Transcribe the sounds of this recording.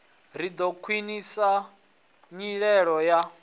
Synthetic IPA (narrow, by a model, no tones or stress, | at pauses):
ɾ̤id̪ɔkʰwinisa | ɲiɺɛɺɔja